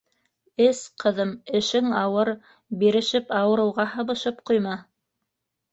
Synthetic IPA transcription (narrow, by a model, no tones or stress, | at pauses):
ɘsqʰɤ̆ðɤmɘ̆ʃɘŋɑwɤɾ | biɾɘ̆ʃɘpɑwɤ̆ɾɤ̆wʁɑhɤ̆βɤ̆ʃɤpqujmɑ